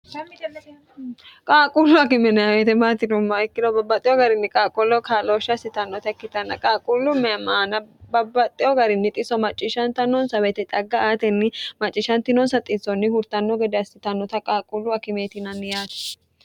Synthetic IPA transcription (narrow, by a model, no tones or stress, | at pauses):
kʼaːkʼulʊɐkɪmɛnɛjawɛt̪ɛmaːt̪ɪnʊmːɐɛkːɪlɔbɐbːɐt̪ʼːɪɔɡɐɾɪnːɪkʼaːkʼɔlːɔkʰaːloːʃːɐsɪt̪ɐnːɔt̪ɐɛkːɪt̪ɐnːɐ̰kʼaːkʼulːʊmɛmaːnɐbɐbːɐt̪ʼːɪɔɡɐɾɪnːɪt̪ʼɪsɔmɐt͡ʃʼːɪʃɐnt̪ɐnɔnsɐwɛt̪ɛt̪ʼɐɡːɐaːt̪ɛnːɪmɐt͡ʃʼːɪʃɐnt̪ɪnɔnsɐt̪ʼːɪt͡sːɔnːɪhʊɾt̪ɐnːɔɡɛd̪ɛɐsɪt̪ɐnːɔt̪ɐkʼaːkʼulːʊɐkɪmeːt̪ɪnɐnːɪjaːt̪ɛ̥